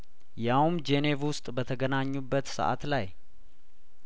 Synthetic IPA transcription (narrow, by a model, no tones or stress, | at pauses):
jawmd͡ʒene̞vwʊst̪ʼbət̪ʰəɡənaɲːubːət̪sə̰ʔa̰t̪laj